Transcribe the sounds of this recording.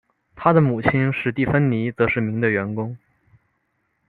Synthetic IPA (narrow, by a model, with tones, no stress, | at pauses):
t̪ʰa˥d̪ə˨mu˨˩t͡ɕʰi˥nʂɻ̩˥˧t̪i˥˩fə˥nni˧˥t͡sɤ˧˥ʂɻ̩˥˩mi˧˥ŋd̪ə˧ɥɛ˧˥nkʊ˥ŋ